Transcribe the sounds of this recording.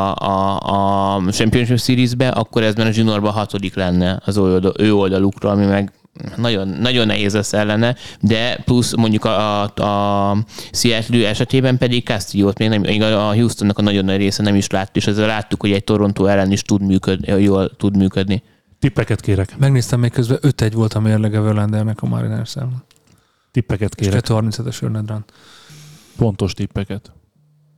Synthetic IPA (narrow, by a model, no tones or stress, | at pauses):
ɒ | t͡ʃɛmpio̞nʃipsiɾizbɛʔɒkːo̞ɾɛzmaːɾɒʒinorbɒɦɒt̪o̞liklɛnːɛɒzøøːo̞ld̪ɒlukroɒmimɛɡ | nɒɟo̞nːɒɟo̞nːɛ̰ɦeːzɛsɛlːɛnɛd̪ɛplusmo̞ɲɟukɒɒ | siɛt̪løːɛʃɛt̪eːbɛmpɛd̪ikkast̪ijoːt̪meːɡnɛmeɡɒɦjuːst̪onːɒkɒnɒɟo̞nːɒɟreːsɛnɛmiʃlaːt̪ːu̥eːʃɛzːɛlːaːt̪ːukho̞ɟɛɟ̚t̪o̞ɾo̞nt̪oːɛlːɛniʃt̪ud̪myːkød̪joːlt̪ud̪myːkød̪ni | t̪ipːɛkɛt̪keːɾɛkmɛɡneːst̪ɛmːekkøzbɛʔøt̪ɛɟʋo̞lt̪ɒmeːrlɛɡɛvɛrlɛnd̪ɛrnɛkɒmɑ̰ɾḭnɛʃsɛ̰l | t̪ipːɛkɛt̪keːɾɛɛt̪ːøɒrmintsʰɛt̪ɛʃø̰rnɛd̪ran | fo̞nt̪o̞ʃt̪ipːɛkɛt̪